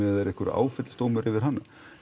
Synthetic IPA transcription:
ɪaðɛɾɛhkʏɾa̰ːwfɛt̪lɪst̪oːwmʏɾɪvɪɾ̥ɦanːa

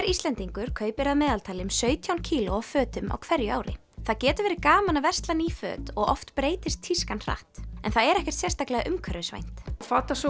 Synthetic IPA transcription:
ɛɾist̪lɛnt̪iŋkʏɾ̥kʰœːɥpɪɾaðmɛːðalt̪ʰaːlɪmsœːɥt̪ʰjawncʰiːlʊafœːt̪ʏmʔa̰wkʰvɛɾjʏa̰wɾɪ̰ | θaðcɛːt̪ʏɾvɛːɾɪkaːmanavɛr̥st̪lanifœ̰ːt̪ɔɣɔft̪pɾeːjt̪ɪst̪ʰːiskanr̥a̰ht̪ɛnθaðɛɾɛhcɛ̥ɾ̥t̪sjɛr̥st̪aklɛɣaʔʏmkʰœɾɪʏsvḛjn̥t̪faːt̪asɔ

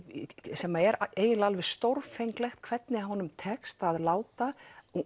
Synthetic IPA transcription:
sɛːmːaɛɾeːjɪlalvɛst̪owɾfejŋklɛxt̪̚kʰvɛt̪nɪɦɔnʏmt̪ʰɛkst̪aðlaːwt̪a

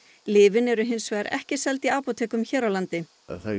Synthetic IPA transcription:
lɪːvɪnɛɾʏɦɪnsvɛːɾɛ̰hcɪsɛlt̪iaːpɔt̪ʰɛːkʏmçɛːɾawlant̪ɪ | θa

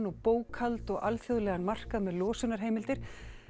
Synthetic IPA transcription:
nɔɣpoːwkʰalt̪ɔɣalθjoðlɛːɣanmar̥kaðmɛðlɔːsʏnaɾ̥ɦeːjmɪlt̪ɪɾ̥

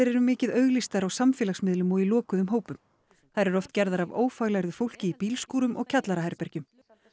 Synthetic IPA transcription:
eɾɛɾʏmɪːcɪðœɥɣlist̪aɾawsamfɪːlasmɪðlʏmɔilɔːkʏðʏmɦoːwpʏm | θaɾɛɾɔft̪cɛɾðaɾavoːwfaːɣlajɾðʏfowl̥cɪipiːlskuːɾʏmʔɔ̰ɣcʰat̪laɾaɦɛɾpɛɾcʏm

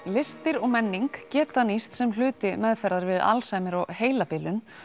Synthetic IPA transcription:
lɪst̪ɪɾɔɣmɛnːiŋkcɛːt̪anist̪sɛml̥ʏːt̪ɪmɛðfɛɾðaɾvɪða̰lsajmɪɾɔɣheːjlapɪlʏn

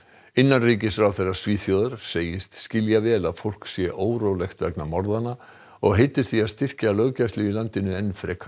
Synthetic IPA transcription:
ɪnːanriːcɪsfɾawθejrːḁsviːθjoːðʏɾ̥seːjɪst̪scɪljavɛːlaðfowl̥ksjɛʔoːwɾoːwlɛxt̪vɛ̰knamɔɾðana | ɔɣɦejt̪ɪɾ̥θiaðst̪ɪr̥calœːɣcajst̪ɪilant̪ɪnʏɛnfɾɛːkʰ

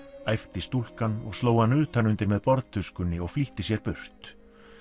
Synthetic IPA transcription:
ajft̪ɪst̪ul̥kanɔ̰ɣstloːwhanːʏːt̪ʰanʏnt̪ɪɾmɛðpɔɾt̪t̪ʰʏskʏnːɪɔɣfliht̪ɪsjɛɾpʏr̥t̪

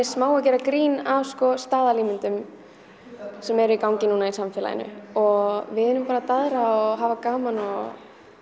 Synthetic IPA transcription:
smaːwacɛːɾakɾiːnavskɔst̪aːðaliːmɪnt̪ʏm | sɛmɛɾikawŋcɪnuːnaisamfɛːla̰jɪ̰nʏ̰ɔɣvɪðɪnʏmpaɾat̪aðɾaɔɦaːvakaːmanɔɣ

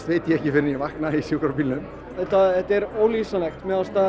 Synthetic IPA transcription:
t̪veːjt̪jɛhcɪfɪɾɪnjɛvahknaisjukɾaɾpiːlnʏm | ɛt̪ːaɛt̪ːɛɾoːwlisalɛxt̪mɛðast̪a

